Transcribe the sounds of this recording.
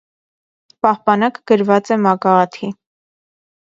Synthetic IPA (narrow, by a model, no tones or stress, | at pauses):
pɑhpɑnɑkɡ̥əɾvɑt͡sɛmɑkɑɑt̪ʰi